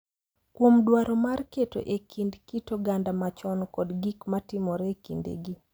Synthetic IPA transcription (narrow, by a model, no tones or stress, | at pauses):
kwomdwaɾɔmarketo̰ʔekʰindkitoɡandamat͡ʃɔnkɔdɡikmatɪmɔɾɛkḭndḛɡi